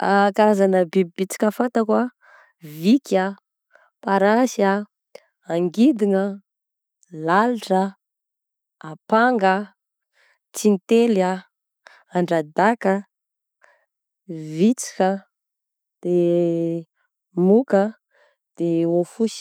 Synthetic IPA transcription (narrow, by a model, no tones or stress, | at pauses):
akaɾazanəbibibit͡si̥kʲəfant̪akwa | vika | paɾasa | aŋɡid̪iŋə | laluʈ͡ʂə | apaŋɡə | t͡sinit̪ela | aɳɖ͡ʐad̪akə | vit͡si̥kə | d̪̥e | mukə | d̪̥eofusi̥